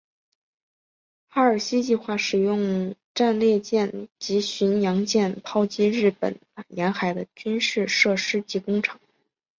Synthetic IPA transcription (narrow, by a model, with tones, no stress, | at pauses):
xa˥ə˞˨˩ɕi˥t͡ɕi˥˧xwa˥˩ʂɻ̩˨˩jʊ˥˧ŋʈ͡ʂa˥˧nljɛ˥˧t͡ɕjɛ˥˩nt͡ɕi˧˥ɕy˧˥njɑ˧˥ŋt͡ɕjɛ˥˩npʰɑ˥ʊt͡ɕi˥ɻɻ̩˥˩pə̰˨˩˦n˩jɛ˧˥nxa˨˧˩ɪd̪ə˦t͡ɕy˥nʂɻ̩˥˧ʂɤ˥˩ʂɻ̩˥t͡ɕi˥˩kʊ˥ŋʈ͡ʂʰɤ̥˨˩˦ŋ